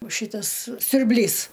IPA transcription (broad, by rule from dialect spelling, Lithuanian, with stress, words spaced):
oː ˈʃʲiːtɐs sʲʊrʲˈbʲlʲiːs